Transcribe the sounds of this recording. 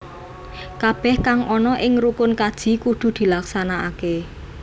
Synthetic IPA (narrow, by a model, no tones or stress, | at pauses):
kab̥ɛhkaŋɔnɔʔɪŋɾukʊnkad̥ʒ̥i̤kud̪̥ṳd̪̥i̤laksanaake